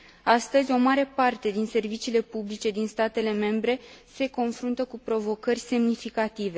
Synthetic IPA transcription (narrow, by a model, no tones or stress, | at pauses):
ast̪əzʲo̞maɾe̞part̪e̞d̪inse̞rvit͡ʃiːle̞publit͡ʃe̞d̪inst̪at̪e̞le̞me̞mbɾe̞se̞ko̞nfɾunt̪əkupɾo̞vo̞kərʲse̞mnifikat̪ive̞